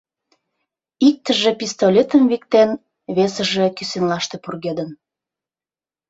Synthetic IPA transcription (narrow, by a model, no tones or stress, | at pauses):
ik̚t̪əʒepist̪olʲet̪əmβik̚t̪en | βesəʒĕkysenlɑʃt̪epurɣed̪ən